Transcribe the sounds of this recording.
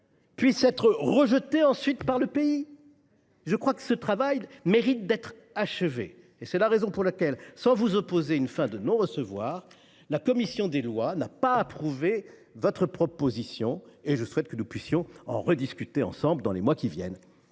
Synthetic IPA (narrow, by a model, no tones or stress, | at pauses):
pɥisɛt̪χəʁəʒət̪eɑ̃sɥit̪paʁləpei | ʒəkχwakə̥sət̪χavajmeʁit̪̚d̪ɛt̪χ | aʃəvḛː | sɛlaʁezɔ̃puʁlakʲɛlsɑ̃vuzɔpozeynfɛ̃d̪ənɔ̃ʁəsəvwaːʁ | lakɔmisjɔ̃d̪elwanapaːpχuve | vɔt̪χəpχɔpozisjɔ̃eʒəswɛt̪̚kənupɥisjɔ̃ɑ̰̃ʁəd̪iskʲyt̪eɑ̰̃sɑ̃bld̪ɑ̃lemwakʲivjɛ̰n